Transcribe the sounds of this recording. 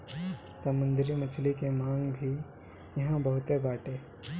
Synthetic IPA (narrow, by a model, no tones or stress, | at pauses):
sɐmʊ̃nd̪ɾimɐt͡ʃʰlikemãːŋɡbʱi | jɐɦãbɐɦʊt̪ebaːʈeː